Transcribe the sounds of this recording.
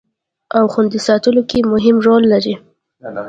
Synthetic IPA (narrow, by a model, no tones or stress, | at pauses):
awxund̪isɑt̪əlokemʊɦɪmʐolːaɾi